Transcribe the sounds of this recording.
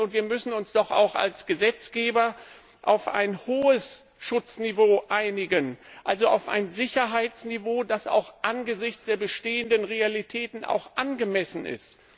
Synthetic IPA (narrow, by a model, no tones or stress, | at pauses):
ʊntv̥iːɐmʏsn̩ʊnsd̥ɔχa̰ʊxa̰lsɡ̥əzɛt͡sɡ̥eːbɐ | ʔaʊfʔa̰ɪnhoːəs | ʃʊt͡snivoːʔaɪnɪɡənʔalzoa̰ʊfa̰ɪnzɪçɐɦaɪt͡snivoːdasa̰ʊxʔanɡəzɪçt͡sd̥eːɐbəʃteːəndənʁealitʰɛːtn̩a̰ʊxʔanɡəmɛsn̩ɪ̰st